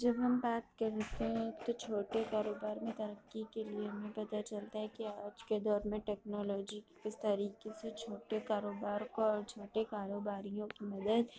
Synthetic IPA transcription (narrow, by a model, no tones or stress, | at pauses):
d͡ʒɐbɦɐmbaːt̪kɐɾt̪eɦɛ̃t̪ot͡ʃʰoːʈekaːɾoːbaːɾmẽt̪ɐɾəkːikelieɦmẽpɐt̪at͡ʃɐlt̪aɦɛkiaːd͡ʒked̪ɔːɾmẽʈɛːknɔːlɔːd͡ʒikɪst̪aːɾiːqeset͡ʃʰoːʈekaːɾoːbaːɾkoɔːɾt͡ʃʰoːʈekaːɾoːbaːɾijõkimɐd̪əd̪